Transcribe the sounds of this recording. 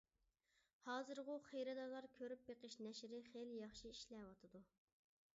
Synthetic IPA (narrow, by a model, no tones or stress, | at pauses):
hɑːzɨɾʁʊχejɾɨd̪ɑlˠɑɾkʲʰøɾyp̚beqəʃnɛʃɾɪχeljɑχʃiiʃlɛwɑt̪ʰɨd̪u